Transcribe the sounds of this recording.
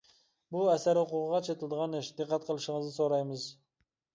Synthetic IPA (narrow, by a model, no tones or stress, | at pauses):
bʊasaɾhʊqʊʁəʁɑt͡ʃʰet̪ʰɪlˠd̪ɪʁɑnɪʃd̪ɨqʰːɑt̪̚qʰɨlˠɪʃɪŋɨznɪsoɾajmɪz